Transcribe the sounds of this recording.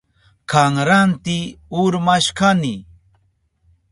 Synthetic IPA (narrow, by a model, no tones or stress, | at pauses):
kaŋɾant̪ɪʊɾmaʃkanɪ